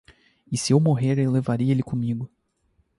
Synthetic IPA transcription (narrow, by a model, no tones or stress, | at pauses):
ɪsɪewmoɦeɾewlevaɾiɐelɪkõmiɡʊ